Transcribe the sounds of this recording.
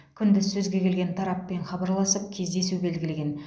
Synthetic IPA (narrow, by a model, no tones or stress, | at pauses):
kʲʰʏnd̪ɪzsɵzɡʲe̞kʲʰe̞lɡʲe̞nt̪ʰɑɾɑpːe̞ɴχɑbɑɾlˠɑsəp̚kʲʰe̞zd̪e̞sube̞lɡʲɪleɡʲe̞n